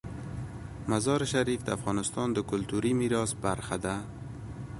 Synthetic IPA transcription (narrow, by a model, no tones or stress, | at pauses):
mazɒːɾʃaɾifd̪əafɣɑnɪst̪ɑnd̪əkʊlt̪uɾimiɾɑsbaɾxad̪a